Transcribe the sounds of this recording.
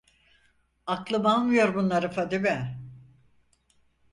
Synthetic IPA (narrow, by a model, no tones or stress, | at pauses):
aklˠɯmbalˠmɯjo̞ɾbunlˠaɾɯfad̪ibɛ